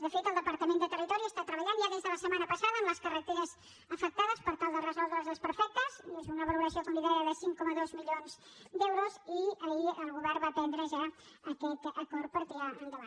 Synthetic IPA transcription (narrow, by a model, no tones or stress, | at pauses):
d̪əfet̪əlˠd̪əpəɾt̪əmend̪ət̪ərit̪ɔɾiəst̪at̪ɾəβəʎanʒjaðezðələsəmanəpəsaðəːmləskərət̪eɾəz | əfək̚t̪aðəspəɾt̪alˠd̪ərəzɔlˠd̪ɾəzləspəɾfɛk̚t̪əzezunəβəluɾəsiokumiðaɾjəðəsiŋkɔməðozmiʎonz̥ | d̪ɛwɾuziəiəlˠɣuβɛrbat̪ɛnd̪ɾəʒa | əkɛt̪əkɔɾ̚pəɾt̪iaʔənd̪əβa